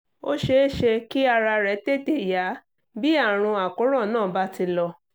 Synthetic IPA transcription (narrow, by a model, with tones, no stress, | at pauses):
o˦ʃe˦˨ʃe˧ki˦a˧ɾa˧ɾɛ˨˦te˦˨te˦˨ja˨˦ | bi˦a˦˨ɾ̃ũ˧a˨ko˨˦ɾɔ̃˦˨nãː˦˨ba˦ti˧lɔ˧